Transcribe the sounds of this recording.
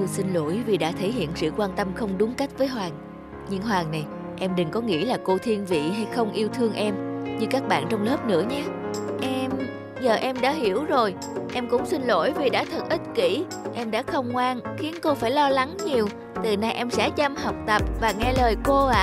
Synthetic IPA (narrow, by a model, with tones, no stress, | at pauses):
si˧nlo̰˧˥˨jvi˨˩ɗa̰ː˧˥t̪ʰe˧˩jɦḭ˧˨ənsɨ̰˧˨kwaː˧nt̪ə˧mxə˧wŋ͡mɗʊ˨˦ŋ͡mka˦˥jk̟̚vəː˨˦jɦwaː˨˩ŋ | ɲɨ˧ŋɦwaː˨˩ŋna˨˩j | ʔɛ˧mɗɨ˨˩ŋkɔ˨˦ŋḭ˧˥əlaː˨˩ko˧t̪ʰi˧ənvḭ˧˨ɦa˧jxə˧wŋ͡mʔi˧əwt̪ʰɨ˧əŋʔɛ˧mɲɨ˧kaː˦˥k̚ɓa̰ː˧˨nt͡ɕɔ˧wŋ͡mləː˦˥p̚nɨ̰˧˥əɲa˨˦ʔɛ˧m | zəː˨˩ʔɛ˧mɗa̰ː˧˥ɦi˧˩əwzo˨˩j | ʔɛ˧mkʊ̰˧˥ŋ͡msï˧nlo̰˧˥jvi˨˩ɗa̰ː˧˥t̪ʰə˨˩t̚ʔi˦˥t̚kḭ˧˥ | ʔɛ˧mɗa̰ː˧˥xə˧wŋ͡mŋwaː˧ŋxi˨˦ənko˧faː˧˩jlɔ˧la˨˦ŋɲi˨˩əw | t̪ɨ˨˩na˧jʔɛ˧msɛ̰˧˥t͡ɕa˧mɦɔ˨˩wk͡p̚t̪ə˨˩p̚vaː˨˩ŋɛ˧ləː˨˩jko˧a̰ː˧